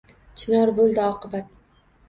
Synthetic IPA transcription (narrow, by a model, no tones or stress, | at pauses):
t͡ʃʰɪnɒɾbolˠd̪ɪɒqʰɨbat̪̚